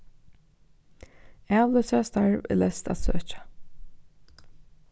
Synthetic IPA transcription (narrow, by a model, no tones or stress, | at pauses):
æːʋlœsəast̪aɹʋɪ̰lɛst̪æ̰t̪sø̰ːt͡ʃḁ